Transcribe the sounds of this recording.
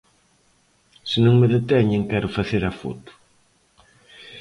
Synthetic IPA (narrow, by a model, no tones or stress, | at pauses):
sɪnõŋmeðet̪ɛɲeŋkɛɾʊfaθeɾafɔ̰t̪ʊ̥